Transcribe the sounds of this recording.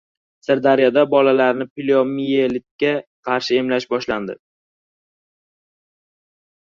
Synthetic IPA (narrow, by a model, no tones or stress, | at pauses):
sɪɾd̪aɾjad̪abɒlalaɾnɪplʲomijelɪt̪̚kʲaqʰɑɾʃɪe̞mlaʃbɒʃland̪ɪ̰